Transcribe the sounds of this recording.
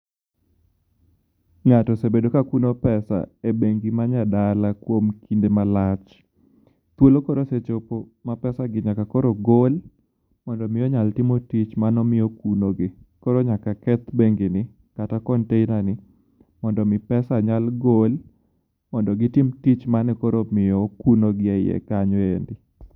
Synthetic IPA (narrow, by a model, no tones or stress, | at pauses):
ŋatɔsebedokakunopɛsa̰ebeŋɡimaɲadalakwomkindemalat͡ʃ | t̪wolokoɾoset͡ʃopo | mapɛsaɡɪɲakakɔɾoɡol | mɔndɔmɪjɔɲaltɪmotit͡ʃmanɔmɪjɔkunoɡɪkɔɾoɲakakɛt̪beŋɡinɪ | katakɔnteinanɪ | mɔndɔmɪpɛsaɲalɡol | mɔndɔɡɪtɪmtit͡ʃmanɛkɔɾomɪjɔkunoɡɪaɪɛ̰kaɲɔendɪ